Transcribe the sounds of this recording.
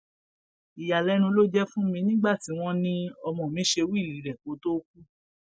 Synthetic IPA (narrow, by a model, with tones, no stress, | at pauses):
i˨ja˨lɛ˨˦ɾ̃ũ˧lo˦d͡ʒɛ˦fũ˦mĩ˧nĩ˦ɡ͡ba˦˨ti˨˦w̃ɔ̃˦nĩ˦ɔ˧mɔ̃˨mĩ˨˦ʃe˧wi˦˨li˨˦ɾɛ˨ko˨˦to˦k̚u˦